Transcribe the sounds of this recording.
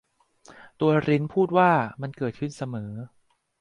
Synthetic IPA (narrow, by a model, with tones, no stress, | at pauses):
t̪u˧ɐɾi˦˥npʰuː˥˩t̪̚waː˥˩ma˧nkɤː˨˩t̪̚kʰɯ˥˩nsa˧mɤː˩˦